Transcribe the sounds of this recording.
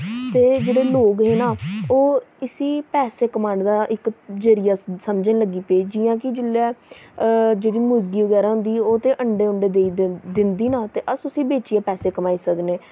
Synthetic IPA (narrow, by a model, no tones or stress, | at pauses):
t̪eːd͡ʒeːɽeːloːkɦeːnaːoːɪsiːpɛːseːkəmaːɳɖd̪aːʔɪkd͡ʒəɾɪjaːsəmd͡ʒẽːləɡːiːpeːd͡ʒɪːãːkɪd͡ʒɪlːɛː | d͡ʒeːɽiːmʊɾɡiːʋəɡɛːɾaːɦʊ̃nd̪iːoːt̪ẽːʔəɳɖeːʊɳɖeːd̪eːid̪ɪnd̪iːnaːt̪eːʔəsʊsĩːbeːt͡ʃiaːpɛːseːkəmaːiːsəkneː